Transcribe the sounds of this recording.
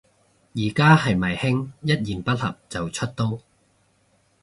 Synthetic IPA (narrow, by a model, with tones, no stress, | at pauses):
jiː˨˩kaː˥hɐ˨jmɐ˨˩jhɪ˥ŋjɐ˥t̚jiː˨˩npɐ˥t̚hɐ̰˨p̚t͡sɐ˨wt͡ʃʰɵ˥t̚t̪o˥w